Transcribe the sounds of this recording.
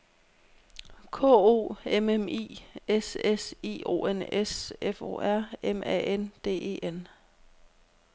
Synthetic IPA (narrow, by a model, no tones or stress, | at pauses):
kʰɔ̰ːo̝̰ːememḭːesesḛːo̝̰ːenesefo̝̰ːæɐ̰emʔɛ̰ʔend̥e̝̰ːe̝̰ːʔen